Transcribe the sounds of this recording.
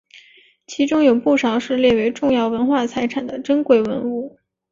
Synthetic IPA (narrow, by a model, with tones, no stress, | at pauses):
t͡ɕʰi˧˥ʈ͡ʂʊ˥ŋjo˨˩ʊpu˥˩ʂɑ˧˥ʊʂɻ̩˥˧ljɛ˥˩we˧˥ɪʈ͡ʂʊ˥˧ŋjɑ˥˩ʊwə˧˥nxwa˥˩t͡sʰa˧˥ɪʈ͡ʂʰa˨˩nd̪ə˦ʈ͡ʂə˥nkwe˥˩ɪwə̰˧˥nu˥˩